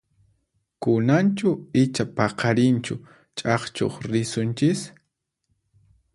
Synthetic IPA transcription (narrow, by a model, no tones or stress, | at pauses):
kʊnant͡ʃʊɪt͡ʃapɑqɑɾɪnt͡ʃʊ̰ | t͡ʃʼɑχt͡ʃo̰χɾɪsʊnt͡ʃɪs